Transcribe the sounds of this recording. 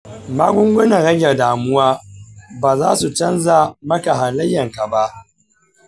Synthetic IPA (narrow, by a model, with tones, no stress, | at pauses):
maː˦ɡʷʊ˦ŋɡʷʊ˦nɐ˨ɽɐ˦ɡʲɛ˨rdaː˨mʊ˦waː˦baː˨zaː˦su˨t͡ʃɐ˦nzaː˦˨mɐ˦ka˨ɦa˨lɐ˦jːɐ˨ŋka˨ba˦ʔ